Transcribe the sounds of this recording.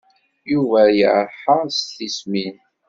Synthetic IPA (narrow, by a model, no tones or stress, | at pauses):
juvæjə̰ʕɾˤħəsθismin